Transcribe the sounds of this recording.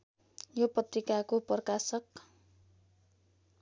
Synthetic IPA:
jopʌt̪rikakopʌrkasʌk̚

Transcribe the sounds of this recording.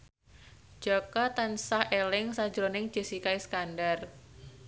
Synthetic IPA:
d͡ʒ̥akat̪ansahʔelɪŋsḁd͡ʒɾonɪŋd͡ʒ̥ə̤sikaiskandar

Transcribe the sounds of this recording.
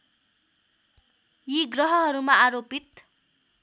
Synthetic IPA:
jiɡrʌɦʌɦʌɾumaːɾopit̪

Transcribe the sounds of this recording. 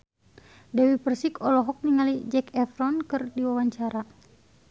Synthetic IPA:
dɛwipərsikɔlɔɦɔk̚niŋalid͡ʒɛkɛfɾɔnkɨrdiwawaɲt͡ʃaɾa

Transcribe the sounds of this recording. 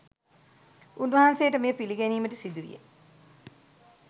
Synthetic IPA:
unʋɐɦansejəʈəmejəpiliɡæniːməʈəsid̪uʋḭjḛ

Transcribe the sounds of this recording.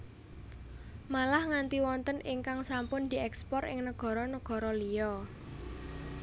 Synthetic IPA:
malahŋant̪iwɔnt̪əniŋkaŋsampʊnd̪̥i̤ʔɛkspɔrɪ̰ŋnəɡ̥ɔ̤ɾɔnəɡ̥ɔ̤ɾɔlijɔ

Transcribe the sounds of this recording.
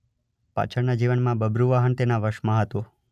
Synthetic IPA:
pa̰t͡ʃʰəɾnad͡ʒiʋənmãbəbɾuʋaɦənt̪enaʋəɾʃmãɦət̪o

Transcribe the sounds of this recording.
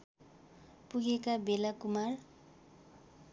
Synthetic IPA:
puɡekabelakumar

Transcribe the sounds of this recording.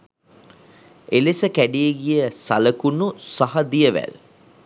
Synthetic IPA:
elesəkæɖijeɡijəsaləkunusaɦɐd̪ijəʋæ̰l

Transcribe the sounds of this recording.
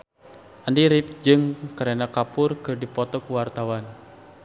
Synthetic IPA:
ʔəndiɾɪp̚d͡ʒɨŋkəɾɛnakapʊrkɨrdipɔt̪ɔkuwart̪awan

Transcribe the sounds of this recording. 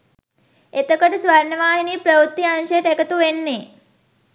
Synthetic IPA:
et̪əkəʈsʋaɾnəʋaːɦiniːpɾəʋut̪ːiãnɕeʈekət̪uʋenːe

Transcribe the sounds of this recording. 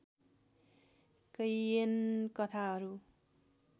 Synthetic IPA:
kʌjenkʌt̪ʰaɦʌɾu

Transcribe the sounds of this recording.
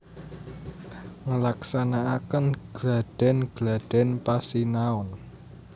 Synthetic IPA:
ŋəlaksanaːkənɡ̥laɖ̥ɛ̤nɡ̥la̤d̥ɛ̤npasinaʊn

